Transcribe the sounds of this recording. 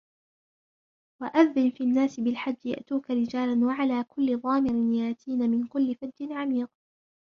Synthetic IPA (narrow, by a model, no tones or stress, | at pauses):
waʔaðːɪnfiːʔanːaːsɪbɪlħad͡ʒːja̰ʔt̪uːkaɾɪd͡ʒaːlanwaʕalaːkʊlːɪðˤɑːmɪɾɪnjaʔt̪ʰiːnamɪnkʊlːɪfad̪ːɪnʕamiːq̚